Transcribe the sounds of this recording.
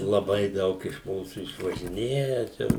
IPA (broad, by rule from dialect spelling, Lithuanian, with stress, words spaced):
lˠɐˈbɐɪ ˈdɐʊk ɪʃ ˈmuːsuː ɪʃʋɐʒʲɪˈnʲeːjɛ t͡ʃʲɛ